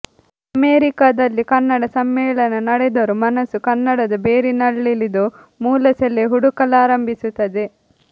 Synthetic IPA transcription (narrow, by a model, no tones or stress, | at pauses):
ɐmeːɾikaːd̪ɐlːikɐnːɐɽɐsɐmːɛːɭɐnɐnɐɽed̪ɐɾumɐnɐsukɐnːɐɽɐd̪ɐbeːɾinɐɭːilid̪u | muːlɐsɛleɦuɽukɐlaːɾɐmbʱisut̪ːɐd̪e